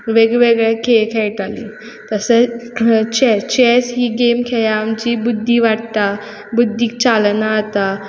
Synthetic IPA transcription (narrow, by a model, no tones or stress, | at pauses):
ʋeɡʋeɡɭɛkʰekʰɛjʈalḭ | t̪əsə | t͡ɕɛt͡ɕɛsɦiːɡemkʰejaːmt͡ɕiːbud̪ʱːiʋaɽt̪a | bud̪ʱːiːk̚t͡salnaːt̪a